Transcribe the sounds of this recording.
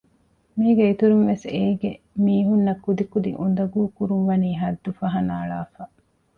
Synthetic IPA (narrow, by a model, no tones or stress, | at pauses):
miːɡeit̪uɾunʋeseːɡe | miːɦunːɐkːud̪ikud̪ḭʔund̪ɐɡuːkuɾunʋɐniːɦɐd̪ːufɐɦɐnaːɭaːfɐ